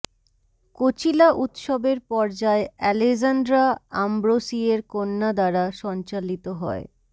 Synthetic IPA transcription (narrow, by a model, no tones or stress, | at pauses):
kot͡ɕilaʔut̪ʃobeɾpɔɾd͡ʑaeɛlezandɾaambɾosieɾkonːad̪aɾaʃɔnt͡ɕalit̪oɦɔ̰e